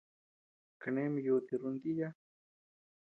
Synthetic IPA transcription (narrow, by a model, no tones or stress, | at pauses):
kanemjoːt̪ɪɾʊnt̪ija